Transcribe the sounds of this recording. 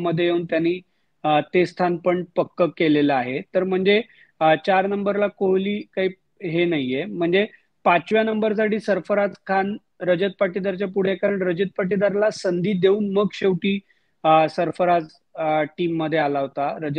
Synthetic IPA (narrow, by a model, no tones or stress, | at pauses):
məd̪ʱːjeɦeuːnt̪janːiː | t̪est̪ʰanpəɳpəkːəkeleləaɦet̪əɾm̤əɳd͡ze | t͡ɕaɾnəmbəɾlakoɦliːkaɦiː | ɦenaɦijem̤əɳd͡ze | pat͡ɕʋjanəmbəɾsaɽiːsəɾfəɾad͡zkʰan | ɾəd͡ʑət̪̚paʈid̪aɾt͡ɕjapuɽ̤ekaɾəɳɾəd͡ʑət̪̚paʈid̪aɾlasənd̪iːd̪euːnməɡɕeʋʈiː | səɾfəɾad͡z | ʈiːmːəd̪ʱːjealaɦot̪aɾəd͡ʑə